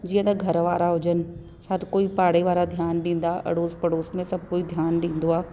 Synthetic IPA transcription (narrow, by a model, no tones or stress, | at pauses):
d͡ʑiːə̃t̪ɐɡʱɐɾʋaːɾaɦʊd͡ʑənɪ̆ | sɐɾkoːipaːɽ̤eʋaːɾad̪ʱjaːnɗĩːn̆d̪aʔɐ̰ɽoːzpɐɽoːsmẽsɐb̚ʱkoːid̪ʱjaːnɗĩːn̆d̪oaː